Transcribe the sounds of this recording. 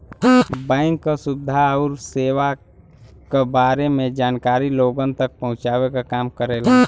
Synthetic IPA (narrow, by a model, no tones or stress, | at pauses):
bɛ̃ːɪŋkːasʊd̪ʱaːɾseːwa | kebaːɾemẽd͡ʒaːnkaːɾiloːɡənt̪ək̚pɐɦʊ̃t͡ʃaːwekakaːmkəɾeːla